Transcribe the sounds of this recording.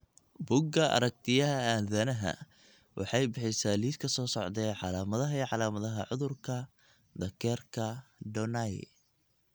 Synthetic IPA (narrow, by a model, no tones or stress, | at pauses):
bʊɡɐʔɐ̰ɾɐk̚t̪ʰɪjɐɦɐaːnðɐnɐɦɐ̰ | wʔɑ̰ħɑjbɪħɪjsaːliːskʰɐsɔːsɔʕd̪ɛːʕɑlaːmɐðɐɦɐiːʕɑlaːmɐðɐɦɐʕʊðʊrkʰɐ | d̪ɐkʰɛːrkʰɐɖɔnɐj